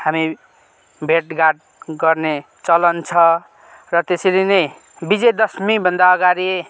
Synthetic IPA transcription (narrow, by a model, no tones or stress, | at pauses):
hami | bʱeʈɡaʈ̚ɡʌrne | t͡sʌlʌnt͡sʰʌ | rʌt̪eselinʌj | bid͡zed̪ʌsmĩbʱʌnd̪aʌɡaɾi